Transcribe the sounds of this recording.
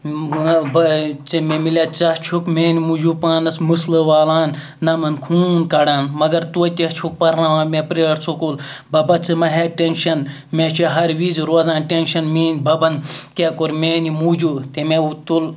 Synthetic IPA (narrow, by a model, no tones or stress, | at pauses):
bɐt͡sememilaːt͡sɐht͡ʃʰukmeːnimud͡ʒupaːnɐsmɨsləʋaːlaːnː | ɐmɐnkʰuːnkɐɽaːnmɐɡɐɾt̪uɐt̪ʲɐht͡ʃʰuk̚pɐɾnãʋaːmepɾejɾt͡sʰukulbɐbɐt͡sɨmɐɦeʈenʃɐn | met͡ʃʰiɦɐɾʋiːzɾoːzãːnʈenʃɐnmiːnbɐbɐnkʲekoɾmeːnimuːd͡ʒuːt̪emeut̪ul